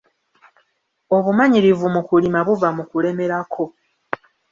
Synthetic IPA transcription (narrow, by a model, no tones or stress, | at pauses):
o̞βumaɲiɾivumukulimaβuvamukule̞me̞ɾakʰo̞